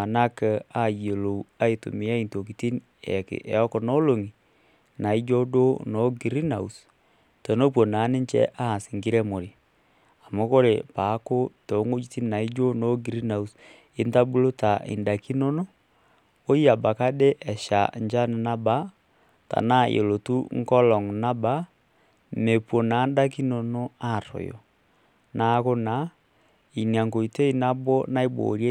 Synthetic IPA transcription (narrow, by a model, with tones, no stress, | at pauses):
a˨na˦kɛ˨a˦˨jo˨lo˨wa˦i˨tṵ˨mɪ˨a˦i˨nto˨k̬i˨ti˦n | ɛ̰˨kɪ̰˨ʔɛ̰˨ɔ˦kɔ˨nɔ˦lo˨ŋi˨ | na˨i˦d͡ʒo˦do˦nɔ˨˦ɡi˨ɾi˦na˨u˨s | tɔ˨no˦p̬wo˨na˨˦nɪ˦ɲt͡ʃɛ̰˦ʔa˦˨sɪ˨ŋɡɪ˦ɾɛ˦mo˨ɾi˨ | a˨mo˦ko˦ɾe˨pa˨˦ko˦to˨˦ŋo˦d͡ʒi˦ti˦n˦na˨i˦d͡ʒo˦no˦ɡi˨ɾi˦na˨u˨s | e˦n˦ta˦bu˦lo˦ta˨ʔḛ˨nda˨ki˦no˦no˦ | o˦i˦a˨ba˨ka˦de˦ʔɛ˨ʃa̰˨ɲd͡ʒa˦n˨na˦ba˦ | ta̰˨na˦jḛ˨lo˨tu˦ŋ˦kɔ˦lɔ˨ŋna˦ba˦ | me˨pwɔ˨na˨˦nda˦k̬i˦no˨no˦a˦˨to̰˨jɔ̰˨ | na˨˦ko˦na˨˦ | i˨ni˨a˨ŋɡo˨i˨te˦i˦na˦bɔ˦na˦i˦bo̰˨ɾjɛ˦